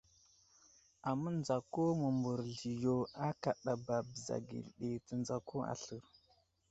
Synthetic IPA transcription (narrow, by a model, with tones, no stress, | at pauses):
a˨mə˦nd͡za˨ko˦mə˨mbu˨ɾɮi˨jo˨a˦ka˨ɗa˨ba˨bə˨za̰˨ɡḭ˨lɗe˨tə˨nd͡za˨ko˦a̰˨ɬə˨ɾ